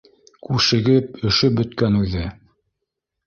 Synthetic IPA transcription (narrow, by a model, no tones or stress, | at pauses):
kʉʃɘ̆ɡɘp̚ɵ̆ʃɵp̚bɵ̆t̪kænʉðɘ